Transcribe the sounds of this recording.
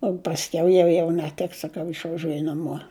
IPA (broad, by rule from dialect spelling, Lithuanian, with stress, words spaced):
oː pɐsʲˈkʲɛʊ ˈjɛʊ jɛʊ nʲɛˈtʲɪks sɐˈkɐʊ ɪʃʋɐˈʒʲuɔjʊ nɐˈmuɔ